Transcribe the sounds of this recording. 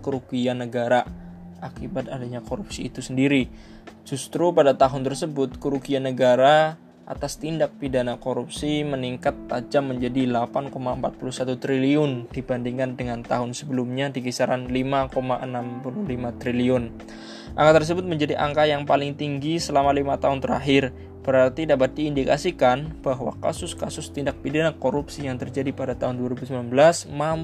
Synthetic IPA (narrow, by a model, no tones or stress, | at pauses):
kəɾukianəɡaɾa | ʔakibat̪̚adaɲakoɾupsiːt̪usəndiɾi | d͡ʒust̪ɾupadat̪aɦʊnt̪ərsəbʊt̪̚kəɾukianəɡaɾa | ʔa̰t̪ast̪indak̚pidanakoɾup̚siməniŋkat̪̚ːad͡ʒamːəɲd͡ʒadilapankomaəmpat̪̚pulusat̪ut̪ɾiliʊnd̥ibandiŋandəŋant̪aɦʊnsəbəlumɲadikisaɾanlimakomaʔənampuluhlimat̪ɾiliʊn | ʔa̰ŋkat̪ərs̬əbʊt̪̚məɲd͡ʒadiʔa̰ŋkajaŋpalɪŋt̪iŋɡisəlamalimat̪aɦʊnt̪əɾa̰ɦɪr | b̥əɾart̪idapat̪̚diːndika̰sikanb̥aɦwa̰ka̰sʊskasʊst̪indak̚pidanakoɾupsijaŋt̪ərd͡ʒadipadat̪aɦʊnduaɾibusəmblanbəlasmam